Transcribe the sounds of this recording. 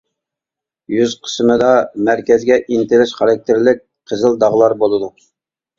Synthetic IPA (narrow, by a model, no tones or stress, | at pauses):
jyz̥qʰə̥smɨd̪ɑmæɾkʲɛzɡʲɛʔint̪ɪlɪʃχɑɾɑk̚t̪ʰeɾlɪk̚ʲqʰəzəlˠd̪ɑʁlˠɑɾbolˠɨd̪u